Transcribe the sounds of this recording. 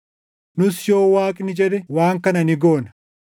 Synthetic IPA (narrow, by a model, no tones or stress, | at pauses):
nʊsjo̞ːwaːkʼnɪd͡ʒɛd̪ɛwaːŋkɐnɐnɪɡo̞ːnɐ